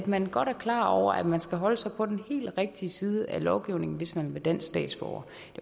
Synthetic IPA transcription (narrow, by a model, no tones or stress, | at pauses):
d̥mænɡ̥ɒ̽ɾ̥æɐkʰlɑ̰̈ːɒʊ̰ɐ̰ʔæd̥mænsɡ̥æɦɒ̽ləsɑ̈ɪpʰɒ̽d̥enhe̝̰ːld̥ʁeɡ̥̚d̥iəsiːðˠəælɒʊɡ̥iʊne̝ŋn̩ʋe̝smænʋed̥æn̰sd̥ɛ̰ːd̥sb̥ɒʊ̰ɐ | d̥e̝